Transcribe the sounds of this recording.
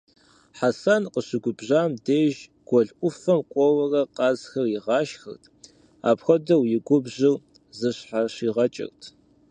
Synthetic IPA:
ħasaːnqəɕɪɡʷʊbʑaːmdeːʒ | ɡ̥ʷɔɮʔʷʊfɐmqʷʼɔwɐrɐqɑːzxɐriʁɑːʃxɐ̰rtʰ | a̰ːpxʷɐdɐwjɪɡʷʊbʑɪw | zɨɕħaɕiːʁɐt͡ʃʼɪ̰rtʰ

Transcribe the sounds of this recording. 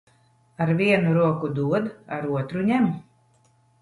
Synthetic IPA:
aɾvʲiɛnuɾuɔkud̪uɔd̪aɾuɔt̪ɾuɲʲɛm

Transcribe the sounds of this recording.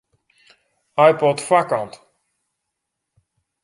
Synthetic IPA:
ajpɔtfakɔnt

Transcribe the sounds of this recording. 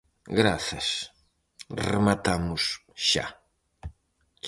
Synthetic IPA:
ɡɾaθɐs | remat̪amʊsʃa̰

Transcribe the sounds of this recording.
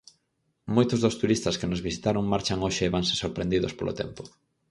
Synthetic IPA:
mojt̪ʊzðost̪uɾist̪ɐskenozβisi̥t̪aɾʊŋmaɾt͡ʃaŋoʃeːβaŋsesoɾpɾend̪iðo̰spolʔo̰t̪ɛ̰mpʊ

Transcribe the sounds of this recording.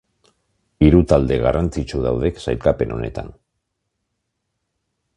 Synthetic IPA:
iɾut̪ald̪e̞ɣarant͡sit͡ʃuðawð̞e̞ksa̰jlkape̞no̞̰ne̞̰t̪a̰n

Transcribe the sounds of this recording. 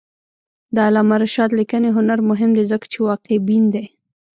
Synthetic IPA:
d̪əalɑmaɾaʃɑt̪likəneɦʊnaɾmʊɦɪmd̪ezəkḁt͡ʃewɑqebind̪e

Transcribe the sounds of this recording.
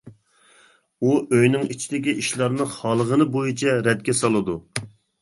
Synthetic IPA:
uʔøjnɪŋit͡ʃʰid̪ɪkʲiʔiʃlˠɑɾnɨχɑlˠəʁənɨbojit͡ʃʰɛɾɛd̪ɡʲɛsɑlˠɨd̪u

